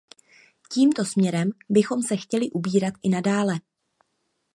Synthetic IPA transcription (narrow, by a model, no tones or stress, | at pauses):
ciːmt̪o̞smɲɛɾɛmbɪxo̞msɛxcɛlɪʔubiːɾat̪ʔɪnadaːlɛ